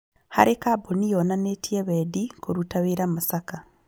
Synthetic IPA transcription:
ha̰ɾikabonijonanetieβeːdikoɾutaβiɾamasaka

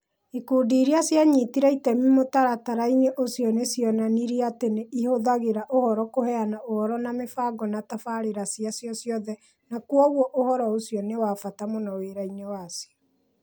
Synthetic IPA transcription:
ikuːdiɾiasjaɲitiɾɛitɛmimotaɾataɾaiɲeʔosjɔnesjɔnaniɾiateneʔihoðaɣeɾaʔohɔɾɔkohɛanaohɔɾɔnamefaɡɔnatafaɾeɾasiasjɔsjɔðɛ | nakuɔɣwɔʔohɔɾɔosiɔnewaːfatamonɔweɾainewasjɔ

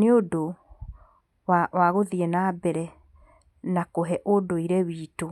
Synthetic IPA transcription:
neodo | wawaɣoðiɛnaːbɛɾɛ | nakoɦɛʔodoiɾɛwiːto

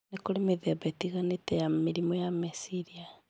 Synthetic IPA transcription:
nekoɾemeðɛbɛtiɣanetɛjameɾimɔjamisiɾia

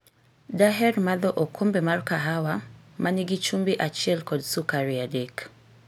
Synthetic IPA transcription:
daɦɛrmaðɔʔɔkʰombɛmarkaɦawamaniɡit͡ʃumbiʔat͡ʃjɛlkɔdsukaɾiadek

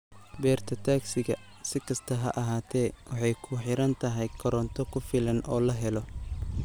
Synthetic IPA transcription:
bɛːrt̪ʰɐt̪ʰaːksɪɣɐ | sɪkʰɐst̪ʰɐɦɐ̰ʔɐɦaːt̪ʰɛːwɑħɑjkʰʊħɪɾɐnt̪ʰɐɦɛjkʰɔɾɔnt̪ʰɔkʰʊfɪlɐnɔːlɐɦɛlɔ

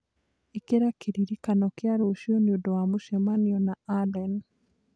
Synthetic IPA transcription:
ekeɾakʰeɾiɾikanɔkjaɾoʃiɔnjodɔwamuʃɛmaniɔnaalɛn

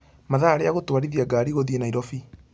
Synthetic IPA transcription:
maðaɾeaɣotwaɾiðiaɡaːɾiɣoðienaiɾɔfi

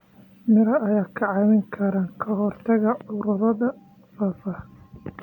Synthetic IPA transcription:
mɪɾɐɐjaːkʰɐʕɑːmɪŋkʰɐɾaːŋkʰɐɦɔrt̪ʰɐɣɐʕʊɾʊɾɐðɐ | fɐːfɐ

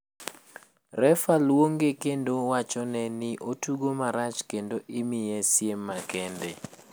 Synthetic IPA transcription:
rɛfalwoŋɡekendowat͡ʃɔnɛnɪʔotuɡomaɾat͡ʃkendoʔɪmɪjɛsjemːakɛndɛ

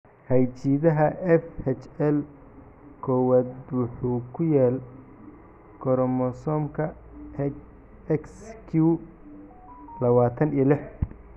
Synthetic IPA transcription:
hɐjt͡ʃiːðɐɦɐʔɛfhɛt͡ʃɛl | kʰɔwaːd̪wʊħuːkʰʊjaːl | kʰɔɾɔmɔsɔmkʰɐ | ɛkskʰu | lɐβaːt̪ʰɐnilɪħ

